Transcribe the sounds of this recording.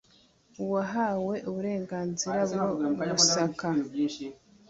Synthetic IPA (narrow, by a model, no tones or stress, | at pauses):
uwaɦaːwe̞ʔuβuɾe̞ːŋɡaːnziɾabɡomusaka